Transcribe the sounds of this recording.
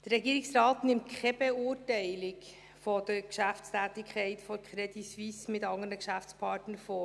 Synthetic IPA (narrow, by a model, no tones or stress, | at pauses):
d̥əɾːɛɡiːɾɪksrɑːtnɪmtkʰɛb̥euːɾtæɪlɪk | fod̥əkʃæftstʰæːtɪkʰχɛɪtfoɾkʰχɾɛdisvismɪtɑŋənəkʃæft͡spʰɑːtnəɾfoː